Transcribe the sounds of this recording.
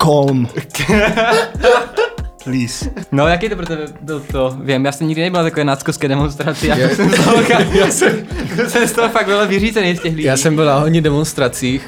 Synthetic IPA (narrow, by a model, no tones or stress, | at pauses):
kolm | lisnojakɛjt̪opɾot̪ɛbɛbɪlt̪ovjɛmjaːsɛmɲiɡdɪnɛbɪlat̪akovɛːnaskofskɛːdɛmonst̪ɾat͡sɪjajasɛmsxaljsɛmsɛmst̪oɦofaɡ̚vɛlvɪriːzɛnɛjscɛxlijaːsɛmbɪlaɦoɲɪdɛmonst̪ɾat͡siːx